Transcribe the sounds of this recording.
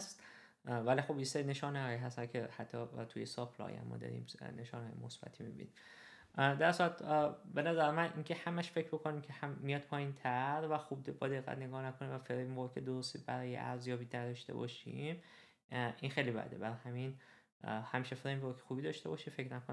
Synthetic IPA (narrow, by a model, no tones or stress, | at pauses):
st̪ | vælixo̞bjeseɾine̞ʃɒːnehɒːjiɦæst̪ænkʰehæt̪ʰːɒt̪ʰujesɒpʰlɒ̰jæ̰mːɒ̰ːd̪ɒ̰ɾḭmne̞ʃɒːneɒ̰jmosb̥æ̰t̪ʰimibḭnim | d̪æɾsuɾæt̪be̞næzæɾemænʔiːkʰehæmæʃfecʰɾbokʰonimcʲʰehæmːijɒd̪̚pʰɒːjint̪ʰæɾvæxub̚d̪bɒːd̪eɣːæ̰t̪ne̞ɡɒːnækʰonimvæfeɾembokʰed̪oɾost̪ibæɾɒːjḛʔæɾzjɒːbinæd̪ɒʃt̪e̞̰bɒ̰ːʃim | ʔinxejlibæ̰d̪ḛbæɾɒhæmin | hæmiːʃefɾembokʰe̥xuːbid̪ɒʃt̪ebɒːʃifecnækʰon